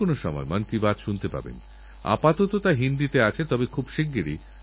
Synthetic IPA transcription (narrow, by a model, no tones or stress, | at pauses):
onoʃɔmɔ̰emankibad̪ʃunt̪epa̰bḛn | a̰pat̪ot̪ot̪aɦind̪it̪eat͡ɕʰet̪ɔbekʰubʃiɡɡeɾḭ